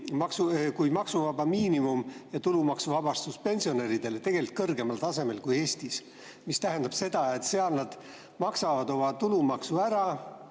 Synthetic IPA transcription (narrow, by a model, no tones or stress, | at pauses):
mɑksukujmɑksuvɑbɑmiːnimumjɑt̪ulumɑksuvɑb̥ɑst̪uspe̞nʲsio̞ne̞ɾid̪̥e̞let̪e̞ɡ̥e̞lit̪̚kɤrɡe̞mɑlt̪ɑse̞me̞lkuje̞ːsʲt̪is | mist̪æɦe̞nd̪̥ɑb̥se̞d̪̥ɑe̞t̪se̞ɑlnɑd̪̥ | mɑksɑvɑd̪o̞mɑt̪ulumɑksuæɾɑ